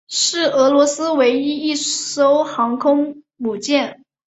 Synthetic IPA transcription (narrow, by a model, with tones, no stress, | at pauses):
ʂɻ̩˥˩ɤ˧˥lwɔ˧˥sɹ̩˥we˧˥ɪi˥i˥˩ʂo˥ʊxɑ˧˥ŋkʰʊ˥ŋ | mu˨˩t͡ɕjɛ˥˩n